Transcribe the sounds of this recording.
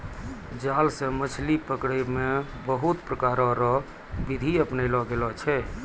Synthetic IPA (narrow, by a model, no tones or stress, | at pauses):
d͡ʒalsẽmət͡ʃʰlipəkɽemebəɦut̪pɾəkaɾɔɾɔ | bid̪ʱiəpnəɪlɔɡelɔt͡ʃʰɛ